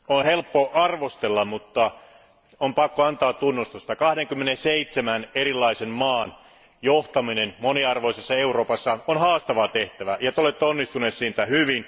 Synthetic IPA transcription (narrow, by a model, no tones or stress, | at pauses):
onhelpːoʔɑrʋost̪elːɑmmut̪ːɑ | ompɑkːoɑnt̪ɑːt̪t̪unːust̪ust̪ɑkɑhdeŋkymːenenseit̪semæneɾilːɑisemmɑːn | joht̪ɑminenmoniɑrʋoisesːɑeuro̞ːpɑsːɑonhɑːst̪ɑʋɑt̪eht̪æʋæjɑt̪eolet̪ːeonːist̪uneːt̪siːnt̪æhyʋin